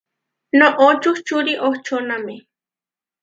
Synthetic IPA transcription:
noʔot͡ʃʊht͡ʃʊɾiʔoht͡ʃonamɪ

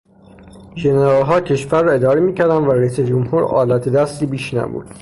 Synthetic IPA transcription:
ʒeneɾɒːlɦɒːcʰe̞ʃfæɾːɒːe̞d̪ɒːɾemiːcæɾd̪ænd̪væɾæiːsed͡ʒomhuːɾɒ̰ːlæt̪ʰed̪æst̪iːbiːʃnæ̰bṵd̪̥

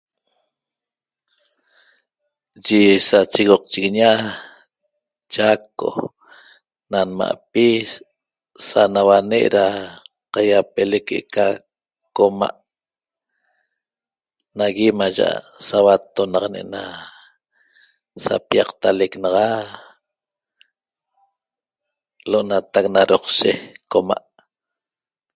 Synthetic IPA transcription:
ʒisat͡ʃiɣoq̚t͡ʃiɣiɲa | t͡ʃakːo̰ | nanma̰ʔpi | sanawaneʔɾa | qajapelekḛʔka | koma̰ʔ | naɣimaʒa̰ʔa | sawat̪onɑqɑneʔna | sa̰piɑqt̪aleknɑʁɑ | loʔnat̪ak̚naɾoqʃekoma̰ʔ

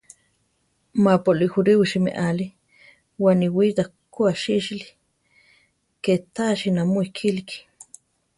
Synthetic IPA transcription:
mapolixuɾiwiʃimḛʔali | waːniwit̪akoaʃiʃli̥ | ket̪aʃinamoikʰiliki̥

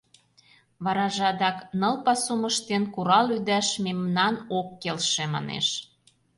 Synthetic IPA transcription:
βɑɾɑʒɑd̪ɑknɤ̆lpɑsuməʃt̪enkuɾɑlyd̪æʃmemnɑnokːelʃemɑ̰nḛʃ

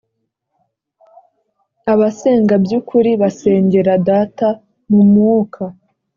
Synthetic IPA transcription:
aβaseːŋɡabjukʰuɾiβase̞ːɲɟe̞ɾadata | mumŋuːkʰa

